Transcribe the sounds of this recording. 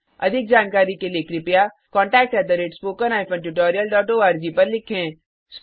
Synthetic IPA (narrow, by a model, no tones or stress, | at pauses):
ɐ̰d̪ʱɪk̚d͡ʒaːnkaːɾikelekɾɪpja | kɔ̃ːɳʈɛːk̚ʈɛːt̪əɾeːʈspoːkənaːɪpʰə̃nʈuʈ̬ɔːɾijəlɖɔːʈoːaːɾd͡ʒiːpɐɾlɪkʰẽ | s